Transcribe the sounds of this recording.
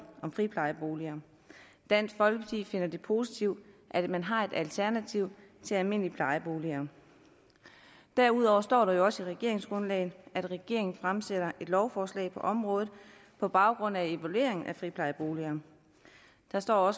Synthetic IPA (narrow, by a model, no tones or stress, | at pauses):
ɒ̽mfʁipʰlɑ̈ɪəb̥o̝ːliɐː | d̥æn̰̥fɒ̽lɡ̥ət͡sʰḭfe̝n̰ɐd̥e̝pʰo̝sit͡sʰiʊ̰d̥ʔæd̥mænɦɑ̈e̝d̥ælt͡sʰæɐnæt͡sʰiʊ̰ | t͡sʰe̝ælme̝n̰lipʰlɑ̈ɪəb̥o̝ːliɐː | d̥æɐuðˠɒʊɐsd̥ɒ̰ːɾ̥ɑ̈jo̝ɒ̽siʁɛɡ̥e̝ɐe̝ŋsɡ̥ʁɔ̽nlɛ̰ːɪn̩ˠæd̥ʁɛɡ̥e̝ɐe̝ŋn̩fʁamseɾɐʔe̝d̥lɒʊfɒːslɛ̰ɪpʰɒ̽ʔɒ̽mʁɔ̽ːð̩ˠ | pʰɒ̽b̥ɑ̈ʊɡ̥ʁɔ̽n̰æe̝ʋælue̝̰ɐe̝ŋn̩ʔæfʁipʰlɑ̈ɪəb̥o̝ːliɐː | d̥ɑ̈sd̥ɒ̰ːɒ̽s